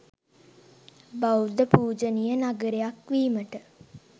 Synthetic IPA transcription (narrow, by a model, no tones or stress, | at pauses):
bawd̪əpuːd͡ʒənijənaɡəɾejakʋiːməʈə